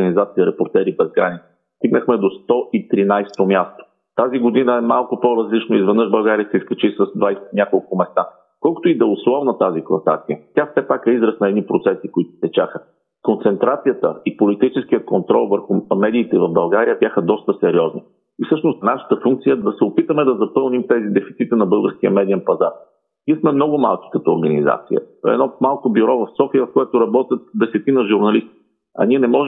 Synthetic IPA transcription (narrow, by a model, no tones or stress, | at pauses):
ənizat̪siəɾɛpoɾt̪ɛɾibɛzɡɾanʲit̪sʲi̥ | st̪iɡnəxmɛd̪ost̪ɔʔit̪ɾinajst̪omʲjast̪o̥ | t̪aziɡod̪inəɛmalˠkʊpoɾɐzlit͡ʃnoizvɛd̪nɤʃbɐlˠɡaɾijəsɛiskɛt͡ʃisəzd̪vajsɛt̪nʲjakolˠkʊmɛst̪a | kɔlˠko̥t̪oid̪ɐʊslˠɔvnɐt̪aziklˠɐsa̰t̪sijət̪ʲjafsɛpakɛizɾəsnɐɛd̪nipɾot̪sɛsikʊit̪ʊ̥st̪ɛt͡ʃaxə | kont̪sɛnt̪ɾat̪sijət̪ə̰ipolit̪it͡ʃɛsk̟ijəkont̪ɾɔ̰lˠvəɾxʊmɛd̪iːt̪ɛvɐvbɐlˠɡaɾijəbʲjaxəd̪ɔst̪əsɛɾiɔzni | ifsɤʃnost̪naʃə̥t̪əfuŋk̪̚sijəd̪ɐsɛopit̪əmɛd̪ɐzɐpɤlˠnimt̪ɛzid̪ɛfit̪sit̪inɐbɤlˠɡəɾsk̟iə̰mɛd̪iɛnpɐzaɾ | nieɛsmɛmnɔɡʊma̰lˠki̥kɐt̪ɔːɾɡɐniza̰t̪sḭjə̰ɛ̰d̪nɔmalˠkobiɾɔvɐfsɔfijəfkoɛt̪ʊɾɐbɔt̪ʲjət̪̚d̪ɛsɛt̪inɐʒuɾnɐlist̪i̥ | ɐ̰niɛnɛmɔʒ